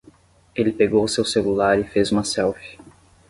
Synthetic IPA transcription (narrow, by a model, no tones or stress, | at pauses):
elɪpeɡowʊsewselulaɾɪfezũmɐsɛwfi̥